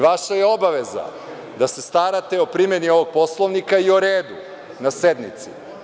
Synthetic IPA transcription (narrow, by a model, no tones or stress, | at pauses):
ʋaʃajeo̞baʋeza̰ | d̪ase̞st̪aɾat̪e̞opɾimenio̞ʋoɡ̚po̞slˠoʋnikaioɾeːd̪u | nased̪nit̪sḭ